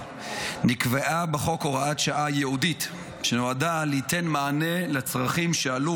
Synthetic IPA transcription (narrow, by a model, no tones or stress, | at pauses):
nikveʔabeχo̞ko̞ʁaatʃaʔajeudit | ʃenoadaleite̞nmaːnelet͡sʁaχimʃealu